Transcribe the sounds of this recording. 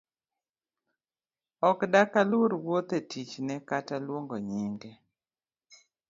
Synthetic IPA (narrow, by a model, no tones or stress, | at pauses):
ɔkdakalʊɾwot̪etit͡ʃnɛkatalwoŋɡoɲiŋɡe